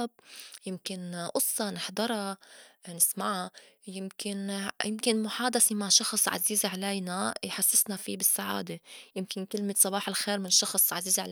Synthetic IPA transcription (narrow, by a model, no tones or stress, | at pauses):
b̚jɪmkɪnʔʊsˤːɑnɪħd̪ˤɑɾˤɑnɪsmaʕajɪmkɪnjɪmkɪnmʊħaːd̪asemaʕʃɑxsˤʕa̰ziːzʕalajnajħasːɪsnafibɪsːaʕa̰ːd̪ejɪmkɪnkɪlmɪtsˤɑbɑːħɪlxeːɾmɪnʃːɑxsˤʕaziːzʕa